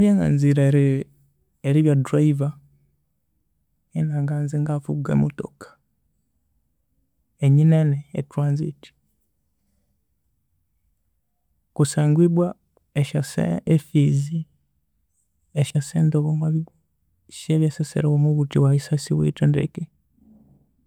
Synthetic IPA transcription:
βjaŋɡa̰nziɾaɾ | eɾiβjadɾaiva | enaːŋɡaːnziŋɡafuɡḛmoto̰kḁ | eɲineneːtɾaːnzḭti̥ | kusaːŋɡwiβwa | eʃasḛefizi | eʃaseːndoβumaβiɡo | ʃeβjasesḛɾewomuβutiwaisasiβwḭtendḛki

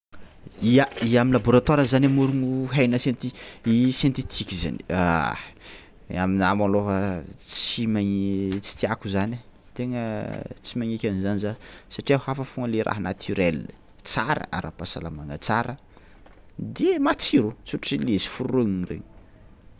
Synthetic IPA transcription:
iaiaminlabuɾat̪aɾəzanamuɾuŋuɦajnəsjent̪iisjent̪it̪ʰikʲiza̰nia | aminamaloɦət͡simait͡si̥t̪iakuzana | t̪eŋət͡simaŋikʲanizanizasaʈ͡ʂiahafəfuŋəleɾʔa̰ɦanat̪ʰyɾel | t͡saɾə̰a̰ɾapasa̰lamaŋa̰t͡saɾə | d̪emat͡siɾut͡suʈ͡ʂʈ͡ʂilesi̥fuɾroɲinrḛɲ

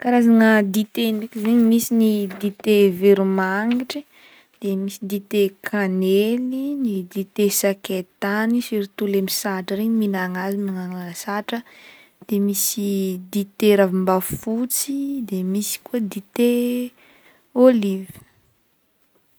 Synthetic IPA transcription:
kaɾazaŋəd̪it̪enekʲizeɲimisinid̪it̪eveɾumaŋiʈ͡ʂi | d̪̥emisid̪it̪ekʰanelinid̪it̪esaket̪anisiɾit̪ulemisaʈ͡ʂəɾeɲiminaŋazimaŋananasaʈ͡ʂə | d̪̥emisid̪it̪eɾavimbafut͡sid̪emisi̥kuəd̪it̪e | olivi̥

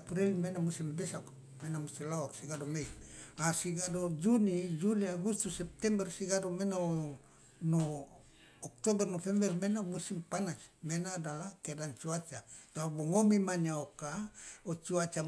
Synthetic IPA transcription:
pɾilmenamusimbɛsak | menamust̪ilaɔrsiɡadomeiasiɡadod͡ʒunid͡ʒuliaɡust̪usɛp̚t̪ɛmbɛrsiɡadomena | noː | k̚t̪obɛrnofɛmbɛrmenamusimpanasmenadalakɛdant͡ʃuat͡ʃat̪oaboŋomimaɲaokaot͡ʃuat͡ʃa

